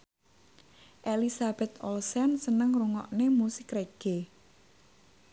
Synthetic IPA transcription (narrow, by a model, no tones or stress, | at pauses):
ʔelisab̥ɛt̪ɔlsɛnsənəŋruŋɔʔnemusɪkreɡ̥e